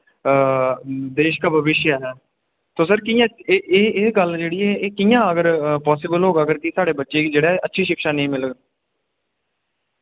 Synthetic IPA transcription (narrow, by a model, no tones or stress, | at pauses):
d̪eːʃkaːbʱəʋɪʃjaːɦɛː | t̪oːsəɾkiːjãːeːɡəld͡ʒeːɽiːɛːeːkiːjãːəɡəɾpɔːsɪbəlɦoːɡaəɡəɾkɪsaːɽeːbətːʃeːkid͡ʒeːɽaːʔətːʃʰiːʃɪkʃaːnəĩːmɪləɡ